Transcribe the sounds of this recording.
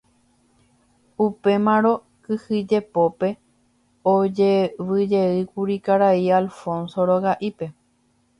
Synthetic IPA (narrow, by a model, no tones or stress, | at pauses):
upe̞mãɾo̞ | kɨhɨd͡ʒe̞po̞pe̞ | od͡ʒeʋɨd͡ʒe̞ɨkuɾikaɾaialfõnsoɾoɣaʔipe̞